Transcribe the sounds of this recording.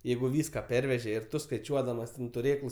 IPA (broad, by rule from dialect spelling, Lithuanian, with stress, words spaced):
ˈjɛɪɡʊ ˈʋʲiːskɐ ˈpʲɛrʲʋʲɛʒʲɛ ɪr ˈtʊ skɐɪˈt͡ʃʲuɔdɐmɐs tʲɛn tʊˈrʲeːklˠʊs